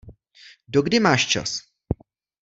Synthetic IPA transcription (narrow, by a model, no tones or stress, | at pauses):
doɡdɪmaːʃt͡ʃa̰s